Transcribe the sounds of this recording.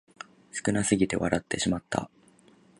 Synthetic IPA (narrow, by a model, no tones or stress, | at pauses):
sɨ̥kɯ̟nasɨɡʲit̪e̞βa̰ɾat̪ːe̞ɕimat̪ːa̰